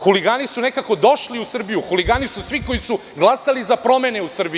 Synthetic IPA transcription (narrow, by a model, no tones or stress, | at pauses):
xuliɡaːnisunekako̞d̪o̞ʃliusr̩bijuxuliɡaːnisusʋiko̞jisu | ɡlˠasalizapɾo̞meneusr̩bi